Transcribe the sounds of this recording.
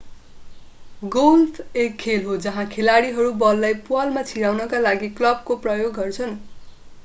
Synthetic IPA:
ɡolpʰekʰːelɦod͡zʌɦãkʰelaɽiɦʌɾubʌlːajpuʌlmat͡sʰiɽawnʌkalaɡiklʌb̚koprʌjoɡːʌrt͡sʰʌn

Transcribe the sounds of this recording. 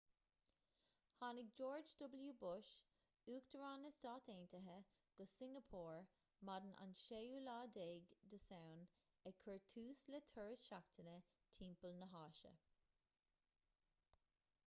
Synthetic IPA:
hɑːnɪk̚d͡ʒoːɹd͡ʒdʊbəljuːbʊʃ | uːkd̪̥əɹɑːnəstɑːt̪eːntəɦə | ɡ̥ʊsɪ̃ŋɡəpʰuːɹ | mad̪ənʔa̰nʃejuːlaːdeːɡd̪əsawn | ɛkʰəɹtʰuːslətʰəɹəsʃak̚t̪ʰənə | tʰiːmpəlnəɦɑːʃə̰

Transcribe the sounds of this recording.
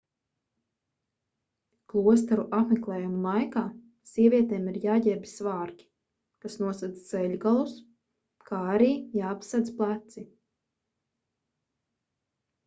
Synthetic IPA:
klˠuɔs̬t̪aɾuʔapmɛklˠɛːjumulˠajkaː | siɛvʲiɛt̪ɛːmiɾjaːɟɛɾbi̥svaːɾkʲi̥ | kasnuɔsad̪zt̪sɛʎʲɡalˠus | kʰaːaɾiːjaːpsad̪zplˠat̪si

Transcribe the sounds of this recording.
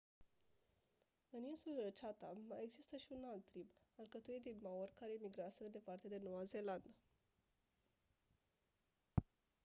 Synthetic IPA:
ɨninsulət͡ʃat̪a̰maje̞ɡzist̪əʃiunalt̪ːɾibalkət̪uit̪̚d̪inmaorkaɾe̞imiɡɾasəd̪ed̪e̞part̪e̞d̪e̞no̞waze̞land̪a

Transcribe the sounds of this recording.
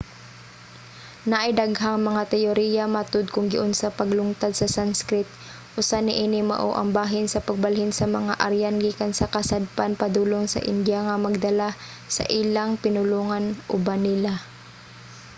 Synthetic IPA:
nɐʔɐjd̪aɡɦaŋmɐŋat̪ɛjoɾijamat̪od̪̚kʊŋɡɪʔʊnsapɐɡlʊŋt̪ad̪̚sɐsanskɾɪt̪̚ | ʔʊsanɪʔinɪmɐ̰ʔo̰ʔɐ̰ŋbaːɦɪnsɐpɐɡ̚balɦɪnsɐmɐŋaʔɐɾjanɡiːkansɐkɐsad̪̚panpɐd̪uːloŋsɐ̰ʔɪ̰nd̪jaŋɐmɐɡ̚d̪ɐla | sɐ̰ʔilaŋpɪnʊluːŋanʔʊbanɪla

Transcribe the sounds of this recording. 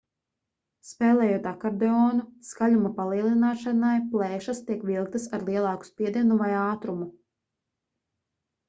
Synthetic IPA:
spɛːlˠɛːjoɔt̪akaɾd̪eɔːnuskaʎumapalˠiɛlˠinaːʃanajplˠɛːʃast̪iɛkvilˠk̚t̪asaɾlˠiɛlˠɑːku̥spiɛd̪iɛnuvajaːt̪ɾumu

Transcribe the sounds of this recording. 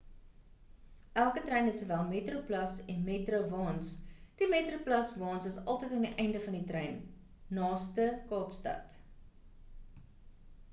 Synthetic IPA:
ʔælˠkətrɛjnəsuvæːlˠmeːtɾoplɐsɛnmeːtɾovɑːnsd̥imetroplɐsvɑːnsəsɐlˠtəjtɑːndiʔɛjndəfɐnditɾɛjnː | ɑːstəkɑːpstɐ̰t

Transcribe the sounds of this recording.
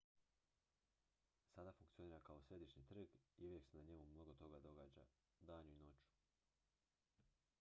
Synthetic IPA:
sad̪afuŋkt̪sio̞niːɾakao̞sɾe̞d̪iʃɲit̪r̩ɡiuʋjeksenaɲe̞mumːno̞ɡot̪o̞ɡad̪o̞ɡaːd͡ʑa | d̪aːɲuino̞t͡ɕu̥

